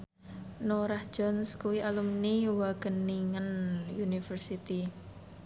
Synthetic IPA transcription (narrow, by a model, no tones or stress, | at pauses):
noɾahd͡ʒ̥ɔnskuwialumniwaɡ̥ənːiŋənjunifərsit̪i